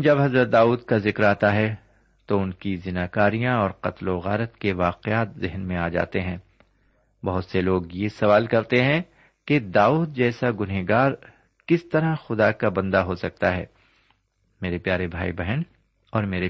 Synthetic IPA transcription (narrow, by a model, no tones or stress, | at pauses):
d͡ʒɐbɦɐzɾət̪̚d̪aːuːd̪kazɪkɾaːt̪aɦɛ | t̪oʊnkizɪnaːkaːɾijãɔːɾqɐt̪loɣa̰ːɾət̪keʋaːqeaːt̪zɪɦnmẽaːd͡ʒa̰ːt̪eɦɛ̃ː | bɐɦʊt̪seloːɡjesɐʋaːlkɐɾt̪eɦɛ̃ | ked̪aːuːd̪̚d͡ʒɛːsaɡʊnɦeɡaːɾ | kɪst̪ɐɾaxʊd̪akabɐ̃nd̪aɦosɐk̚t̪aɦɛː | meːɾepjaːɾebʱaːibɛɦən | ɔːɾmeːɾe